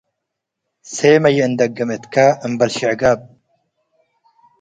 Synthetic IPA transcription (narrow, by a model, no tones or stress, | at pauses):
seːmɐjeɨnd̪ɐk̚ɡɐmet̪kaəmbɐlɕiʕɡab̚